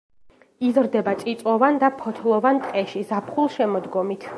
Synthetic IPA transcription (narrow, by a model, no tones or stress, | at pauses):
izɾd̪ɛbat̪sʼit̪sʼwɔvand̪apʰɔt̪ʰlˠɔvant̪ʼqʼɛʃizapʰχulˠʃɛmɔd̪ɡɔmit̪ʰ